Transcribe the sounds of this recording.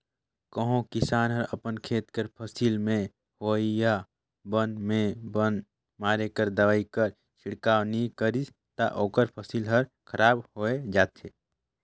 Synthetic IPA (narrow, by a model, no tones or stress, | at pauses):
kəɦõkɪsaːnɦəɾəpənkʰeːt̪kəɾpʰəsiːlmẽ | hoːija | bənmẽbən | maːɾekəɾd̪əʋaːikəɾ | ʃʰɪɽkaːwnĩkəɾis | t̪aʔoːkəɾpʰəsiːlɦəɾ | kʰəɾaːbhoːed͡ʒaːt̪ʰe